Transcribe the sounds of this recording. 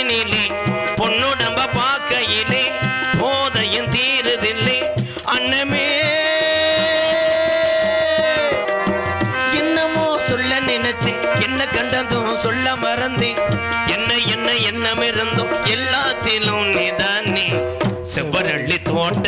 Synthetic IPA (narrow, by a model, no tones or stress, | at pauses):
nilipɔnːʊɽɐmbɐpaːkɐjɪli | poːðɐjɯnt̪iːɾɯðɪlːi | ɐnːɐme | ɛnːɐmoːsɔlːɐnɪnɐt͡ʃːɯɛnːɐkɐɳɖɐnd̪ɯ | sɔlːɐmɐɾɐnd̪e | ɛnːɐjɛnːɐɛnːɐmeɾɯnd̪ɯ̃ɛlːaːt̪ːɪlʊ̃mniðaːnːi | sɪʋɐɾɐɭːit̪oːɳɖ